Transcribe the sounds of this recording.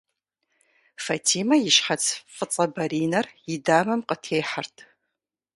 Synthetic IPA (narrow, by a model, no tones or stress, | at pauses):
fɐtʰiːmɐjɪʃħat͡sʰfʼɨt͡sʼɐbɐɾiːnɐrjɪdaːmɐmqətʰejħartʰ